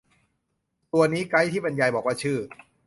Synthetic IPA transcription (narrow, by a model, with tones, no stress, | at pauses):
t̪u˧ɐniː˦˥ka˦˥jt̪ʰiː˥˩pe˧nja˧jbɔː˨˩k̚waː˥˩t͡ɕʰɯː˥˩